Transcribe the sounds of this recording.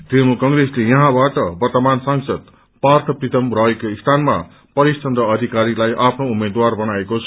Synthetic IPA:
d̪emukʌŋɾeslejʌɦãbaʈʌbʌrt̪ʌmansaŋsʌd̪̚ | part̪ʰʌprit̪ʌmrʌɦekoist̪ʰanma | pʌɾist͡ʃʌnd̪ʌːd̪ʱikaɾilajʔapʰnoumed̪warbʌnaekot͡sʰʌ

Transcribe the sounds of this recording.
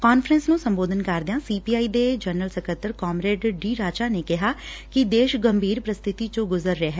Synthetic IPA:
kaːnfʰɾə̃nsnũːsə̃mboːd̪ənkəɾd̪ejãːsiːpiːaːiːd̪eːd͡ʒənəlsəkət̪əɾkɔːmɾeːɖɖiːɾaːt͡ʃaːneːkɪɦaːkɪd̪eːʃɡəmbʱiːɾpɾəst̪ʰɪt̪it͡ʃõɡʊzəɾːeeɦɛː

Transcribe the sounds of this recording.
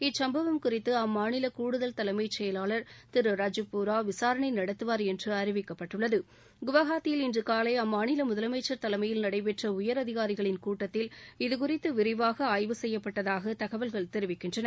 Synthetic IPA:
ɪt͡ʃsɐmbɐʋɐmkʊrɪt̪ːɯɐmːaːnɪlɐkuːɽɯðɐlt̪ɐlɐmɐɪt͡ʃɛjɐlaːɭɐɾt̪ɪɾɯɾaːd͡ʒɯpːuːɾaːʋɪsaːɾɐɳɐɪnɐɽɐt̪ːɯʋaːɾɛndrɯɐɾɪʋɪkːɐpːɐʈːɯɭːɐðɯ | ɡʊʋɐɣaːt̪ːɪjɪlɪndrɯkaːlɐɪɐmːaːnɪlɐmʊðɐlɐmɐɪt͡ʃːɐɾt̪ɐlɐmɐjɪlnɐɽɐɪpɛʈrɐʊjɐɾɐðɪɣaːɾɪɣɐɭɪnkuːʈːɐt̪ːɪlɪðɯk̬ʊrɪt̪ːɯʋɪɾɪʋaːɣɐaːjʋɯsɛjːɐpːɐʈːɐðaːɣɐt̪ɐɣɐʋɐlɣɐɭt̪ɛɾɯʋɪkːɪndrɐnɐɾ

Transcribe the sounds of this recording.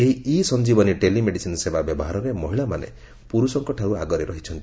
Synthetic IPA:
eɦiisɔnd͡ʒibɔniʈelimeɽisinɔsebabjɔbɔɦaɾɔɾemɔɦiɭamanḛ | puɾusɔŋkɔʈʰauaɡɔɾeɾɔɦit͡ʃʰɔnt̪

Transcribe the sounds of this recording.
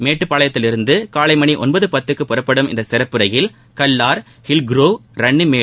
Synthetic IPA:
meːʈːɯpːaːɭɐjɐt̪ːɪlɪɾɯnd̪ɯkaːlɐɪmɐɳiʔɔnbɐðɯpɐt̪ːɯkːɯpːɔrɐpːɐɽɯmɪ̰nd̪ɐsɪɾɐpːɯɾɐjɪl | kɐlːaːɾ | hɪlɡɾoːɾɐɳːɯmeː

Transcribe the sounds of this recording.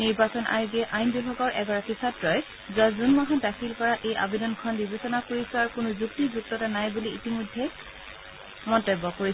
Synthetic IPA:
niɹbasɔnʔa̰ɹɡiɛʔajnbibʱaɡɔɹʔɛɡɔɹakisatɹɔj | zɔzunmaɦadakʰilkɔɹaʔejʔa̰bedɔnkʰɔndibesɔnakoɹisʊaɹukʊnʊzuktizuk̚tɔtanajbuliitimɔdʱːɛ | mɔntɔjbɔkoɹi

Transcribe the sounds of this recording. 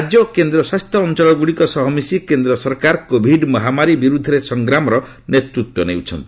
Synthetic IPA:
ad͡ʒjɔkend̪ɾɔswast̪ʰjɔːnt͡ʃɔlɔɡuɽikɔsɔɦɔmisikend̪ɾɔsɔɾkaɾkobʱiɖmɔɦamaɾibiɾud̪ʱɔɾesɔŋɡɾamɔɾɔ | net̪ɾut̪wɔnewt͡ʃʰɔnt̪i̥

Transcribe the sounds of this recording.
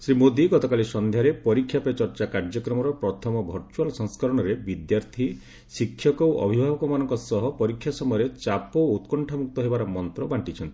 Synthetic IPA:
sɾimod̪iɡɔt̪ɔkalisɔnd̪ʱjaɾepɔɾikʰːjapɔt͡ʃɔɾt͡ʃakaɾd͡ʒɔkɾɔmɔɾɔpɾɔt̪ʰɔmɔbʱɔɾt͡ʃualsɔ̃ŋskɔɾɔɽ̃ɔɾebid̪jaɾt̪ʰi | sikʰːjɔkɔwʔɔ̰bʱibʱabɔkɔmanɔŋkɔsɔɦɔpɔɾikʰːjasɔmɔjɔɾet͡ʃapɔut̪kɔɳʈʰamuk̚t̪ɔɦebaɾɔmɔnt̪ɾɔbaɳʈit͡ʃʰɔnt̪i

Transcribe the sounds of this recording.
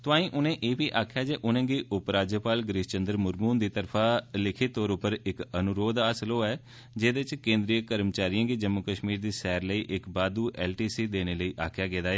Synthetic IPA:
t̪ʊãːĩːʔʊnẽːʔeːpiːʔaːkʰjaːd͡ʒeːʔʊnẽːɡiːʔʊpɾaːd͡ʒjəpaːlɡɾɪʃt͡ʃənd̪əɾmʊɾmuːnd̪iːt̪əɾpʰaːlɪkʰɪt̪ːoːɾʊpəɾɪkənʊɾoːd̪aːsəloːɛː | d͡ʒeːd̪eɪt͡ʃkẽːnd̪ɾijəkəɾmt͡ʃaːɾijãːɡiːd͡ʒəmːʊkəʃmiːɾd̪iːsɛːɾləiːʔɪkbaːd̪uːʔɛːlʈiːsiːd̪eːñeːləiːʔaːkʰjaːɡeːd̪aːɦɛː

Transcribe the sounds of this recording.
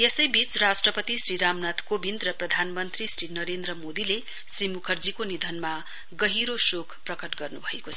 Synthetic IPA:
jesʌjbit͡srasʈrʌpʌt̪isriɾamnat̪ʰkobind̪rʌprʌd̪ʱanmʌnt̪risrinʌɾend̪ɾʌmod̪ile | srimukʰʌrd͡zikonid̪ʱʌnma | ɡʌɦiɾosokʰprʌkʌʈɡʌrnubʱʌekot͡sʰʌ

